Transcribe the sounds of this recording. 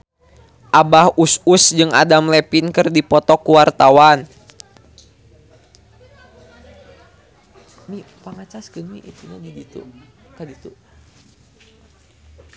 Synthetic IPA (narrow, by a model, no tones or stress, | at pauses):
ʔabahususd͡ʒɨŋa̰damlɛpinkɨrdipɔt̪ɔkuwart̪awan | mi | paŋat͡ʃaskɨnmiḭt̪uɲadidit̪ṵ | kadit̪u